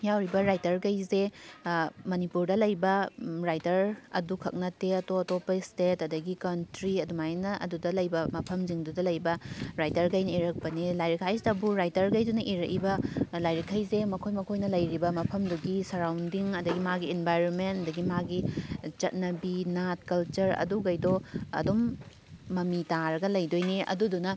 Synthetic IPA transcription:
jawɾibɐɾajtɐɾɡɐjze | mɐnipuɾdɐlɐjbɐɾajtɐɾɐ̰dukʰɐk̚nɐteɐtoɐtopɐistetɐdɐɡikɐntɾiɐdumajnɐʔɐ̰dudɐlɐjbɐmɐpʰɐmziŋdudɐlɐjbɐɾajtɐɾɡɐjnɐiɾɐk̚pɐnilajɾikʰajstɐbuɾajtɐɾɡɐjdunɐʔiɾɐkibɐlajɾikʰajzemɐkʰojmɐkʰojnɐlɐjɾibɐmɐpʰɐmduɡisɐɾawndiŋɐdɐɡimaɡiːnbajɾonmentɐdɐɡimaɡit͡ʃɐt̚nɐbinat̚kɐlt͡ʃɐɾɐ̰duɡɐjdoɐ̰domː | ɐmitaɾɐɡɐlɐjdojniʔɐ̰dudunɐ

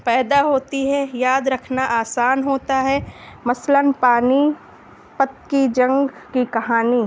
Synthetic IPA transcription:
pɛːd̪aɦoːt̪iɦɛjaːd̪ɾɐkʰnaʔaːsaːnɦoːt̪aɦɛmɐslənpaːni | pɐt̪̚kid͡ʒɐ̃ŋɡkikɐɦaːniː

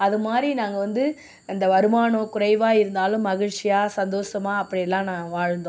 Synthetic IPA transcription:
ɐðɯmaːdɾinaːŋɡɐʋɐnd̪ɯ | ɐnd̪ɐʋɐɾɯmaːɳõːkʊɾɐɪʋaːɪɾɯnd̪aːlʊ̃mːɐɣɪɻt͡ʃɪjaːsɐnd̪oːsɐmaːɐpːɐɽɪjɛlːãːnãːʋaːɻnd̪õː

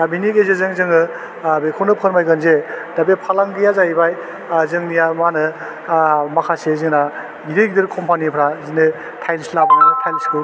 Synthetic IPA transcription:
abinikezezɯŋzɯŋɯ | bekʰonɯpʰɯɾmajɡɯnzed̥abepʰalaŋɡijazaibaj | zɯŋnijamanɯ | makʰasezɯŋna | iɾɯɡdɯɾkʰɔmpʰanipʰɾazinɯ | tʰajlslabnatʰajlsku

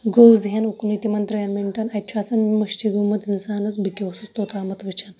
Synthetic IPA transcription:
ɡowzɦanukunit̪imɐnt̪ɾɐjanmeɳʈɐnɐtːt͡ʃʰaːsɐnmɐʃʈiɡumɐt̪insaːnɐsbikʲowsust̪oːt̪aːmɐt̪ʋit͡ʃʰan

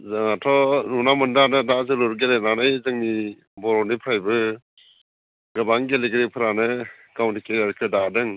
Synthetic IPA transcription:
zɯŋatʰɔnunamɯndanɯdazɯluɾɡelenanajzɯŋni | bɔɾɔnipʰajbɯ | ɡɯbaŋɡeleɡɾepʰɯɾanɯ | kawntʰikejaɾkʰɯdadɯŋ

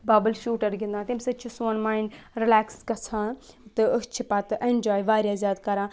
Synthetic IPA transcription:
baːbəlʃuːʈəɾɡɪ̃nd̪ãːt̪imsɐt͡ʃʰusunmaːiɳɖɾɪlɛːkskɐsʰãː | t̪ɨət͡ʃʰipɐt̪ʔend͡ʒaːjʋaːɾjaːzjaːd̪kɐɾãː

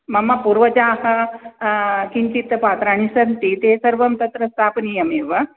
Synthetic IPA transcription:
mɐmːɐpuɾʋɐd͡ʒaːhɐ | kiɲt͡ʃit̪paːt̪ɾaːñisɐnt̪it̪esɐɾʋɐmt̪ɐt̪ɾɐst̪ʰaːpnijɐmeːʋɐ

